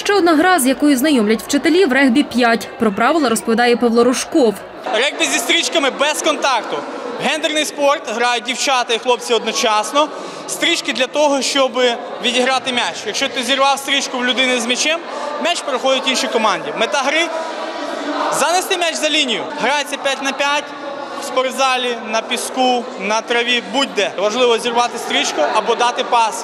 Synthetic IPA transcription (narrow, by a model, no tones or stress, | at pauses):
ʃt͡ʃɛɔd̪nɑɦɾɑzjɐkɔjʊznɐjɔmlʲɐtʲw̥t͡ʃet̪elʲiwɾɛɦbʲipʲjatʲpɾɔpɾɑʋɪlˠɐɾɔspɔʋʲid̪ɑjɛpɐʋlˠɔɾʊʃkɔw | ɾɛɣbʲizʲist̪ɾʲit͡ʃkɐmɪbɛskɔnt̪ɑkt̪ʊɦɛnd̪ernɪjspɔrt̪ɦɾɑjʊt̚ʲdʲiwt͡ʃɑt̪ɐixlˠɔp̚t͡sʲiɔd̪nɔt͡ʃɑsnɔ | st̪ɾʲit͡ʃkɪd̪lʲɐt̪ɔɦɔʃt͡ʃɔbɪ | ʋʲidʲiɦɾɑt̪ɪmʲat͡ʃjɐkʃt͡ʃɔt̪ɪzʲirʋɑwst̪ɾʲit͡ʃkʊwlʲʊd̪ɪnɪzmʲit͡ʃɛmmʲat͡ʃpeɾɪxɔdʲɪtʲinʃikɔmɑnʲdʲimet̪ɐɦɾɪ | zɐnest̪ɪmʲat͡ʃzɐlʲinʲijʊɦɾajet͡sʲɐpʲjatʲnɐpʲjatʲ | wspɔrzɑlʲinɐpʲisku | nɐt̪ɾɐʋʲibud̚ʲd̪ɛʋɐʒlˠɪʋɔzʲirʋɑt̪ɪst̪ɾʲit͡ʃkʊʔɐbɔd̪ɑt̪ɪpɑs